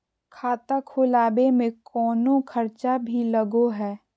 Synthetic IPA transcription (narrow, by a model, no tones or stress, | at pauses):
kʰaːt̪akʰʊːlaːbemẽkɔːnokʰəɾt͡ʃabʱiləɡoɦɛː